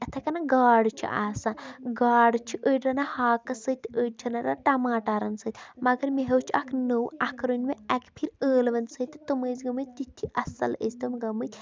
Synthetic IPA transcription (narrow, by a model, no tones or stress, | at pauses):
ɐt̪ʰɐkɐnaɡaːɽt͡ʃʰḭʔa̰ːsaːnɡaːɖt͡ʃʰiʔəːɖɾɐnahaːkɐsət̪ʲəːɖt͡ʃʰinaɾaʈɐmaːʈaːɾɐnsət̪ʲmɐɡɐɾmeɦɐwt͡ʃʰiɐkʰnəwɐkʰɾunʲmeɐkpʰiɾəːlʋɐnsət̪ɨt̪ɨməːzɡɐmət̪̚ʲt̪it̪ʰːiɐsɐ̰lə̰zʲt̪ɐmɡɐmət̪ʲ